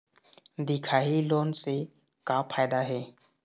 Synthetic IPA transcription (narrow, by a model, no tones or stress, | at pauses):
d̪ɪkʰaːiloːnse | kapʰaːjd̪aɦɛː